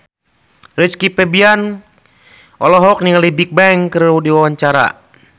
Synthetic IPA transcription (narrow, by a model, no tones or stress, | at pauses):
ɾit͡ʃkipɛbian | ʔɔlɔɦɔk̚niŋalibik̚bɛŋkəɾudiwawaɲt͡ʃaɾa̰